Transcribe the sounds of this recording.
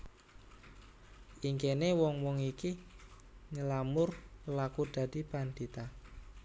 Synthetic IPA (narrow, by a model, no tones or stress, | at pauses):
ʔiŋkenewɔŋwɔŋiki | ɲəlamʊrlakud̪̥a̤d̪̥i̤pand̪̥it̪a